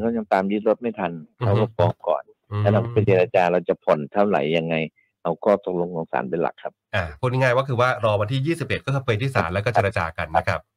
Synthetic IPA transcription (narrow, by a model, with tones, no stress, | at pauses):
kʰa˦˥wja˧ŋt̪aː˧mji˦˥t̪̚ɾo˦˥t̪̚ma˥˩jt̪ʰa˧nka˦˥wko˥˩ɔː˧m̚kɔ̰ː˨˩n˧ | ɛ˦˥ɾa˧kpe˧t͡ɕe˧ɾaː˧t͡ɕaː˧ɾa˧wt͡ɕa˨˩pʰo˨˩˦nt̪ʰa˥˩wla̰˩˦jːa˧ŋːa˧j | ʔa˧wkʰɔː˥˩t̪o˨˩k̚lo˧ŋɔː˧ŋsa̰ː˩˦npe˧˩nla̰˨˩kʰːa˦˥p̚ʔaː˨˩uː˥˩niː˧˥˩ŋaː˥˩jwa˥˩kʰɯː˧waː˥˩ɾɔː˧wa˧nt̪ʰiː˥˩jiː˥˩si˨˩p̚ʔe˨˩t̪̚kɔː˥˩kːɯ˧˥pfəː˧jt̪ʰiː˥˩sa̰ː˧˩˦mlɛ˦˥kɔː˥˩t͡ɕeː˧ɾa˧t͡ɕaː˧ka˧nːa˦˥kʰɾa˦˥p̚